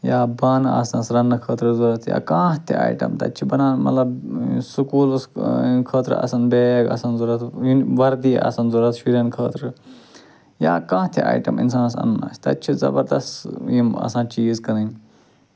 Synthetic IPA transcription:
jaːbaːnaːsãsɾɐnːɨkʰəːt̪ɾɨzuɾɐt̪ʰja̰ːkãːɦt̪ʰḭa̰ːjʈɐ̰mt̪ɐt͡ʃʰibɐnãːnmɐ̰t̪lɐbsukuːlskʰəːt̪ɾɨ̰ɐ̰sɐnbeːɡɐ̰sɐnzuɾɐt̪ʰiʋɐɾd̪iʔɐ̰sɐnzuɾɐt̪ʃiɾɐnkʰəːt̪ɾɨ | jaːkãːt̪ʰḭa̰ːjʈɐmḭns̬aːnɐsɐ̰nna̰ːsʲt̪ɐt͡ʃʰizɐ̰bɐɾd̪ɐst̪imɐ̰sãːt͡ʃiːzkɐnɐn

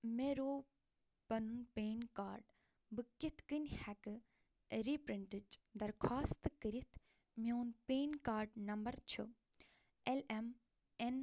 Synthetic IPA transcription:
meɾoː | pɐnunpeːnkaːɾɖ | bɨkit̪ʰkɨnʲhɛkɨ | ɾipɾiɳʈəd͡ʒd̪ɐɾkʰaːst̪ɨkɨɾit̪ʰ | mioːnpeːnkaːɾɖnɐmbɐɾt͡ʃʰṵ | elem | en

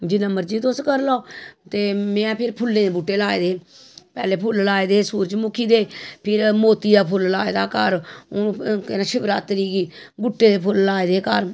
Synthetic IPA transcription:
d͡ʒɪnəməɾd͡ʒiːt̪ʊskəɾlɔːt̪eːmɛ̃pʰɪɾpʰʊlːẽːd̪eːbuʈːeːlaːeːd̪eː | pɛːleːpʰʊllaːeːd̪eːsuːɾt͡ʃmʊkʰːiːd̪eːpʰɪɾmoːt̪iːd̪aːpʰʊllaːeːd̪aːkəɾ | kɛnaːʃɪbɾaːt̪əɾiːɡiːbʊʈːeːd̪eːpʰʊllaːed̪eːkəɾ

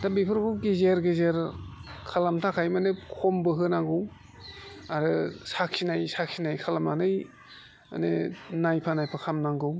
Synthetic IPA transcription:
tabipʰɯɾbɯɡezeɾɡezeɾkʰalamtʰakʰajmanɯkʰɔmbɯɦɯnaŋɡɯw | aɾɯsak̚sinajsak̚sinajkʰalamanɯj | a̰nḛnajpʰanajpʰakʰamnaŋɡɯw

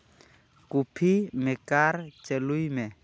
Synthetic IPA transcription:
kupʰimɪkart͡ʃɛlʊimɛ

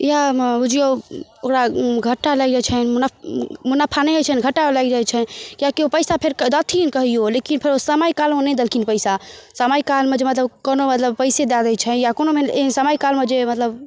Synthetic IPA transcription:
jabud͡ʒijookɾaɡʱəʈːalaɡd͡ʒat͡ʃʰɛnmunamunapʰaneɦət͡ʃʰɛnɡʱəʈːaolaɡd͡ʒajt͡ʃʰɛkjakiopəjsapʰeɾkəd̪ət̪ʰinkəɦijolekinpʰeɾosəmajkalonɛ̃d̪əlkinpəjsasəmajkalmed͡ʒemət̪ləbkonomət̪ləbpəjsed̪ad̪ɛjt͡ʃʰɛjakonomeesəmaikalmed͡ʒemət̪ləb

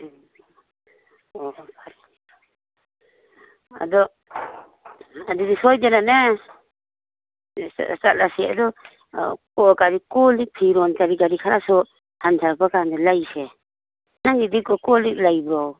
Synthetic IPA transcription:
ɔbʰaɾ | a̰dɔ | adudisɔjdɛnanɛ | stat̚lasɛa̰dɔ | kɔkaɾikɔlik̚pʰiɾɔnkaɾiɡaɾikʰaɾasɔ | hantʰaɾbakandɛlajsɛ | naŋɡidikɔkɔliklajbɾɔw

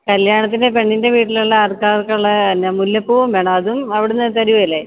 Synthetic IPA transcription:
kɐljaːɳɐt̪̬ːindepe̞ɳːinde̞ʋiːʈːiluɭːɐarkaːrkːɐɭːɐnːɐmulːɐpːuːumbe̞ːɳɐmɐðumɐʋiɽenːɨt̪ɐɾiʋɐɐlːe

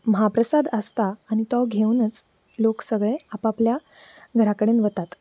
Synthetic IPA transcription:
məɦapɾəsad̪əst̪aːɽ̃it̪ɔɡʱeunət͡s | loksəɡɭeapaplja | ɡʱəɾakəɽeːnʋət̪at̪

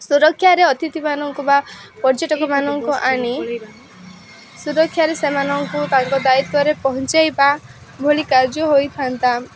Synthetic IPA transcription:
suɾɔkʰːjaɾeɔt̪it̪imanɔŋkuba | pɔɾd͡ʒeʈɔkɔmanɔŋkuʔaɽ̃i | suɾɔkʰjaɾesemanɔŋkut̪aŋkɔd̪ait̪ɔɾepɔɦɔnt͡ʃajpa | bʱolikaɾd͡ʒɔɦojt̪ʰant̪a

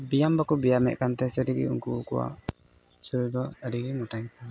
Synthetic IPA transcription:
bijambakubijamɛ̰ʔ̚kant̪ɛsəɾiɡḭṵŋkukuwa̰ | səɾid̪ɔəɖiɡimɔʈaɲ

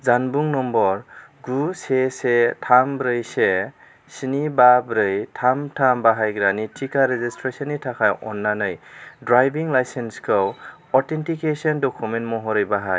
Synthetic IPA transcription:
zanbuŋnɔmbɔɾɡusesetʰambɾɯjse | sinibabɾɯjtʰamtʰambaɦajɡɾanitʰikaɾezistɾesɔnitʰakʰajʔɔ̰nːanɯjdɾajbiŋlajsenskʰɯw | ɔɾtʰentikesɔndɔkʰumentmɔɦɔɾɯjbaɦaj

